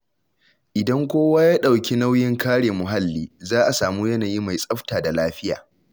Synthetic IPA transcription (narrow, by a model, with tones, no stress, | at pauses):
ʔɪ˨dɐ˦ŋkʷoː˦waː˦jaː˦ɗa˨wkʲi˦na˦wjɪ˦ŋkaː˦ɽeː˨mʊ˨ɦa˦lːiː˦zaː˦ʔa˨saː˨muː˦jɐ˦naː˨ji˦ma˨jsʼɐ˦ɸtaː˨da˨laː˦ɸɪ˦ja̰ː˨